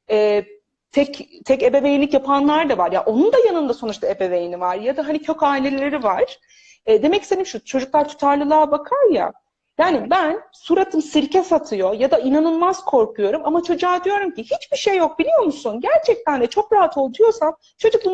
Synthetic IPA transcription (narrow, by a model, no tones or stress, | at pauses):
ɛː | t̪ʰɛct̪ʰɛce̞bevejinlʲicjapʰanlˠaɾd̪avaɾjaʔo̞nund̪ajanɯnd̪aso̞nut͡ʃt̪ʰae̞be̞vejinivaɾjad̪aɦanicʰøcaːilʲe̞lʲe̞ɾivaɾ̥ | ɛd̪e̞mɛci̥senimʃut͡ʃʰo̞d͡ʒuklˠaɾt̪ʰu̥t̪ʰaɾlˠɯlˠaːbakʰaɾja̰ | jaːnibænsuɾat̪ʰɯmsiɾcʰɛsat̪ʰɯjo̞jad̪ainanɯnmaz̥kʰo̞ɾkʰujo̞ɾumamat͡ʃʰo̞d͡ʒaːd̪ijo̞ɾumcihit͡ʃbiʃejːo̞k̚bilʲijo̞musunɟæɾt͡ʃʰɛc̚t̪ænd̪ɛt͡ʃʰo̞kɾaɦat̪ʰo̞lˠd̪ujo̞sam | t͡ʃʰo̞d͡ʒuk̪̚ˠu